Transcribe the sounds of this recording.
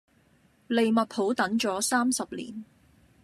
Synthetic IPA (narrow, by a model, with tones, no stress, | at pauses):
le˨jmɐ˨t̚pʰo˨˥wt̪ɐ˨˥ŋt͡ʃɔː˨˥saː˥msɐ˨p̚lḭː˨˩n